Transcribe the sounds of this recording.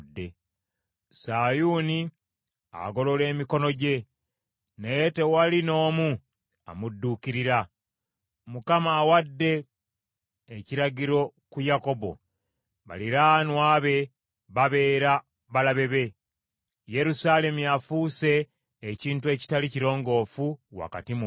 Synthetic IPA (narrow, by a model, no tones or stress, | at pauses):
dːe̞ | sajuni | a̰ɡo̞lo̞le̞ːmiko̞no̞ɟe̞ | nejete̞walino̞ːmu | a̰mudːuːkiɾiɾa | mukamaːwadːe̞ | ciɾaɟiɾo̞kujako̞bo̰ | βa̰liɾanwaːβe̞ | βaβe̞ːɾa | βalaβe̞βe̞ | je̞ɾusale̞mujafuːse̞ː | ciːntue̞ːci̥taliciɾo̞ːŋɡo̞ːfuwa̰ka̰timu